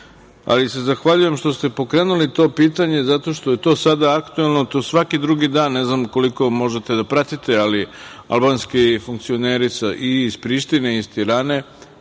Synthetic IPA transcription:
a̰lise̞zaxʋaʎuje̞mʃt̪o̞st̪e̞po̞kɾe̞ːnulit̪o̞ːpiːt̪aɲe̞zat̪o̞ʃt̪o̞je̞t̪o̞ːsad̪aakt̪uelˠno̞t̪osʋakid̪ɾuɡid̪aːnːeznamko̞liko̞mo̞ʒet̪e̞d̪apɾat̪it̪e̞alia̰lˠbaːnskifuŋkt̪sio̞neːɾit̪saʔiːzpɾiːʃt̪ineist̪iɾaːne̞

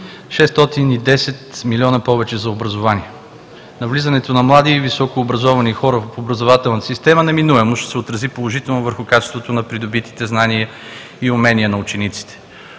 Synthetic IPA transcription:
ʃɛst̪ɔt̪inid̪ɛsɛt̪milʲiɔnɐpɔvɛt͡ʃɛzɐobɾɐzovaniɛ | nɐvlizɐnɛt̪onɐmlˠad̪ivisɔkoːbɾɐzɔvɐnixɔɾəofobɾɐzovat̪ɛlˠnət̪əsist̪ɛmənɛminuɛmoʃt̪ɛ̥sɛot̪ɾɐzipolˠoʒit̪ɛlˠnovəɾxʊkat͡ʃɛ̥st̪vot̪onɐpɾid̪obit̪i̥t̪ɛznaniə | iʊmɛniənɐut͡ʃɛnit̪si̥t̪ɛ̥

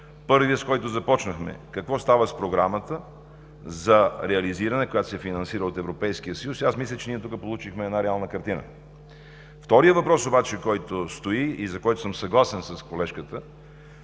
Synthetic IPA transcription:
pɤɾviəskɔjt̪ozɐpɔt͡ʃnəxmɛ̰kɐkvɔst̪avəspɾoɡɾamət̪ə | zɐɾɛɐliziɾɐnɛkojat̪o̥sɛfinɐnsiɾəot̪ɛvɾopɛjskijəsəjusiasmislʲət͡ʃɛniɛt̪ukəpolˠut͡ʃixmɛːd̪naɾɛalˠnəkɐɾt̪inə̰ | ft̪ɔɾijəvɐpɾɔsobat͡ʃɛkɔjt̪ost̪oiːzɐkɔjt̪ʊ̥səmsɐɡlˠasɛnsəskolɛʃkət̪ə

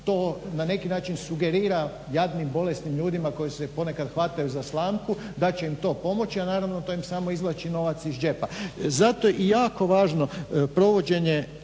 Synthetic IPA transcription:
t̪oːnane̞kinaːt͡ʃinsuɡe̞ɾiːɾa | jad̪nimbo̞lest̪nimʎuːd̪imako̞jisepo̞ne̞kad̪xʋat̪ajuzaslˠaːmku | d̪at͡ɕe̞imt̪o̞ːpo̞mo̞t͡ɕianaːɾaʋno̞t̪oːimsaːmo̞izlˠat͡ʃino̞ʋat̪sizd͡ʒe̞pazat̪oʔijaːko̞ʋaːʒno̞pɾo̞ʋo̞d͡ʑe̞ɲe

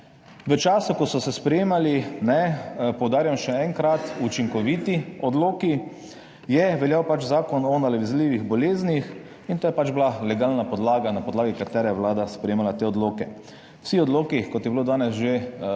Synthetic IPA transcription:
ʋət͡ʃaːsukɔsɔsɛspɾɛjeːmalinɛpɔwd̪aːɾjamʃɛɛŋkɾat̪ut͡ʃiŋkɔʋit̪iɔd̪loːki | jɛʋɛljawpat͡ʃzaːkɔnɔnalɛʋizliːʋiɣbɔleːznix | int̪oːjɛpad͡ʒblalɛɡaːlnapɔd̪laːɡanapɔd̪laːɡikat̪ɛːɾajɛwlaːd̪aspɾɛjeːmalat̪eːɔd̪loːkɛ | w̥sixɔd̪loːkikɔt̪jɛbilod̪aːnɛsʒe

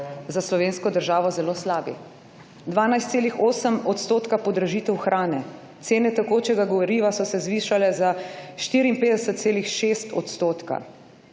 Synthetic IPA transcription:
zaslɔʋeːnskɔd̪əɾʒaːʋɔzɛloːslaːbḭ | d̪ʋaːnajst̪seːlixoːsəmɔt̪st̪oːt̪kapɔd̪ɾaʒiːt̪ɛwxɾʔaːnɛ | t̪seːnɛt̪akoːt͡ʃɛɡaɡɔʋoɾiʋasɔsɛzʋiːʃalɛzaʃt̪iːɾiimpeːd̪ɛsət̪t̪seːlixʃeːst̪ɔt̪st̪oːt̪ka̰

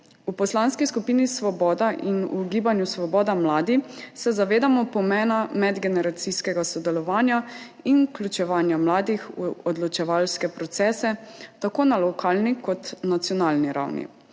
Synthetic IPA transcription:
upɔslanskiskupiːnisʋɔbɔːd̪aʔinuɡiːbanjusʋɔbɔːd̪amlaːd̪isɛzaʋeːd̪amɔpɔmɛːnamɛd̪ɡɛnɛɾat̪siskɛɡasɔd̪ɛlɔʋaːnja | inklʲut͡ʃɛʋaːnjamlaːd̪ixuɔd̪lɔt͡ʃɛʋalskɛpɾɔt̪sɛːsɛt̪akoːnalɔkʰaːlnikɔt̪nat̪sjɔnalniɾa̰wnḭ

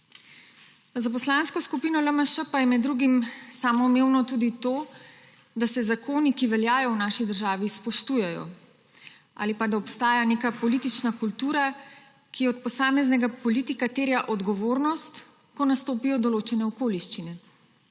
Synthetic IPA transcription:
zapɔslaːnskɔskupiːnɔləməʃəpajɛmɛd̪ːɾuɡimsaːmɔmeːwnɔt̪uːd̪it̪oː | d̪asɛzakʰoːnikiʋɛljaːjɔwnaːʃid̪əɾʒaːʋispɔʃt̪uːjɛjɔ̰ | a̰ːlipad̪aɔpst̪aːjanekapɔlit̪it͡ʃnakult̪uːɾa | kiɔt̪̚pɔsaːmɛznɛɡapɔliːt̪ikat̪eːɾjaʔɔd̪ɡɔʋoːɾnɔst̪ | kɔnast̪oːpijɔd̪ɔloːt͡ʃɛnɛɔkoːliʃt͡ʃinɛ

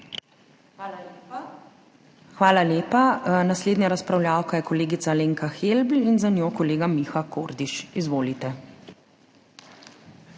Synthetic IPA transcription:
xʋaːlaleːpanasleːd̪njaɾaspɾawljaːwkajɛkɔleːɡit̪saleːŋkaxelblinzanjoːkɔleːɡamixakʰoɾd̪iʃizʋoːlit̪ɛ

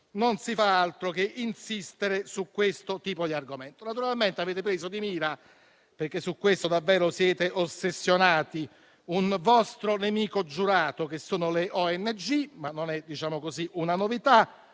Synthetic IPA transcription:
nonsifaalt̪ɾok̟eʔinsist̪eɾesukːwest̪ot̪iːpod̪iarɡomɛnt̪onat̪uɾalment̪eaveːt̪̬epɾiːszod̪imiːɾa | perkːesːukːwest̪od̪avːɛːɾosjɛːt̪eʔosːesːjonaːt̪i | unvɔst̪ɾonemiːkod͡ʒuɾaːt̪ok̟esːoːnoleʔɔɛnːed͡ʒimanːonɛd̪it͡ʃaːmokosiʔunanovit̪a

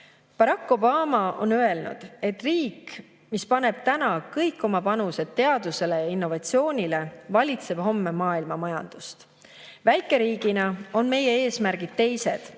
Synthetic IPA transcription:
pɑɾɑkːo̞bɑːmɑo̞̰nøe̞lnṵd̪̥e̞t̪ːriːk | mispɑne̞b̥̚t̪ænɑkɤjkːˑo̞mɑpɑnuse̞d̪̥̚t̪e̞ɑd̪̥use̞le̞jɑinːo̞vɑt̪sio̞ːnʲile̞vɑlʲit̪se̞b̥ho̞mːe̞mɑːilmɑmɑjɑ̰nd̪̥ust̪ | væjkːˑe̞ɾiːɡ̥inɑo̞nme̞je̞e̞ːsmæɾɡ̥id̪̥̚t̪e̞jse̞d̪̥

